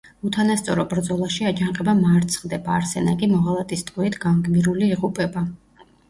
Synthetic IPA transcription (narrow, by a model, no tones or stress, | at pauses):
ut̪ʰanast̪sʼɔɾɔbɾd̪zɔlˠaʃiad͡ʒaɴqʼɛbamaɾt̪sʰχd̪ɛbaːɾsɛnakʼimɔʁalˠat̪ʼist̪ʼqʼwiit̪ʰɡ̥aŋɡmiɾuliːʁupʼɛba